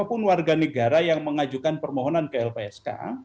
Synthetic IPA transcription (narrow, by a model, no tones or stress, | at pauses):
pʊnwarɡanəɡaɾajaŋməŋad͡ʒukanpərmɔɦɔnankəɛlpeɛska̰